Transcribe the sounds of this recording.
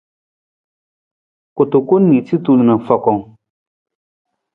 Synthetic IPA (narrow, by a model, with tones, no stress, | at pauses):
kʊ˨tʊ˨ko˦nːi˨ti˦tu˦lu˨na˨fɔ˨kɔ˨ŋ